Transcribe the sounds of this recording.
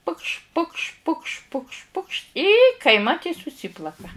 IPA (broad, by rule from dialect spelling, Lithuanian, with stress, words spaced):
pʊkʃʲ pʊkʃʲ pʊkʃʲ pʊkʃʲ pʊkʃʲ iː kɐɪˈmɐt iː sʊˈsʲiːplˠɐkɐ